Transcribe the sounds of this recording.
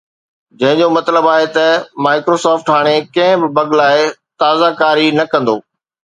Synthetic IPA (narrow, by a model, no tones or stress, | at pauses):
d͡ʑɐ̃ɦɪ̃ɲd͡ʑomɐt̪ləbaːɦet̪ɐmaːɪkɾosɔːfʈɦaːɽ̃ekɐ̃ɦɪ̃bɪbɐɡlaːɪt̪aːzakaːɾinɐkɐ̃nd̪o̰ː